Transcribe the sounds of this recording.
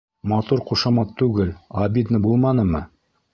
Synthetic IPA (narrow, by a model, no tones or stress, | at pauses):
mɑt̪uɾquʃɑmɑt̪ːʉɡɘlɑbʲid̪nɤbulˠmɑnɤmɤ